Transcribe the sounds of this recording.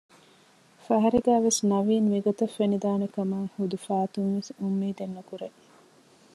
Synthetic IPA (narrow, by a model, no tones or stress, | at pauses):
fɐɦɐɾeɡæːʋesnɐʋiːnʋiɡot̪ɐfːenid̪aːnekɐmaːhud̪ufaːt̪unʋesumːiːd̪enːɐkuɾe